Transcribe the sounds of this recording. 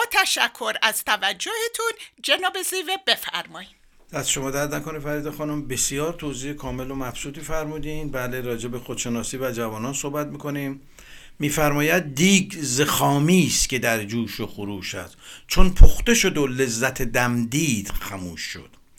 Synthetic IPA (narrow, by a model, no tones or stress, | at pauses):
bɒːt̪ʰæʃækʰːo̞ɾæz̥t̪ʰævæd͡ʒːohet̪ʰund͡ʒenɒːbezivebe̞fæ̰ɾmɒːji̥ | d̪æsʃo̞mɒːd̪æɾd̪nækonifæɾiːd̪exɒːnombe̞sijɒːɾt̪ʰoːziːhekʰɒːme̞lomæfsuːt̪ʰiːfæɾmuːd̪inbæːle̞ɾɒːd͡ʒe̞be̞xod̪̥ʃe̞nɒːsiːvæd͡ʒævɒːnɒːnsohbæt̪̚miːkʰo̞niːmː | iːfæɾmɒːjæd̪̚d̪iːɡzexɒːmiːst̪cʲe̞d̪æɾd͡ʒuːʃoxuɾuːʃæ̰st͡ʃʰonpʰoxt̪e̞ʃo̞d̪ole̞zːæt̪ʰed̪æmd̪iːd̪̥xæmuːʃːo̰d̪̥